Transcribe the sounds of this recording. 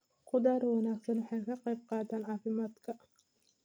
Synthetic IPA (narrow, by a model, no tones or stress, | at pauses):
qʰʊd̪aːɾwɑnaːɡsɐnwɑħɑjkʰɐqɛjb̚qɑːd̪aːnʕɑːfɪmaːd̪kʰɐ